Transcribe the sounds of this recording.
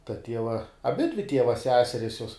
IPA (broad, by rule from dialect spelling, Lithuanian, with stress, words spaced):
tɐ ˈtʲiɛʋɐ ɐˈbʲɪdʲʋʲɪ ˈtʲiɛʋɐ ˈsʲæːsʲɛrʲɪs juɔs